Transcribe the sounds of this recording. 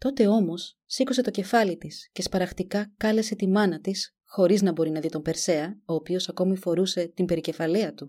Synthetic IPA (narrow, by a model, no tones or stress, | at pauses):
t̪o̞t̪e̞o̞mo̞sːikuse̞t̪oce̞fɐlit̪isce̞spɐɾɐxt̪ikɐkɐle̞se̞t̪imɐnɐt̪is | xo̞ɾiznɐbo̞ɾinɐðit̪o̞mbe̞ɾse̞ɐo̞ːpio̞sɐko̞mifo̞ɾuse̞t̪imbe̞ɾice̞fɐleɐt̪u